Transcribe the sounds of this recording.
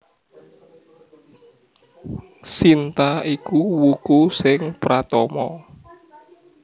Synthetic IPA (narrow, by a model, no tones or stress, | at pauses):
sint̪aikuwukusɪŋpɾat̪ɔmɔ̰